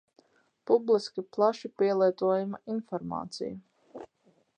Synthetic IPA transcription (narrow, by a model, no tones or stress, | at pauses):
publˠiskʲiplˠaʃipiɛlˠiɛt̪uɔjumainfɔɾma̰ːt̪sḭju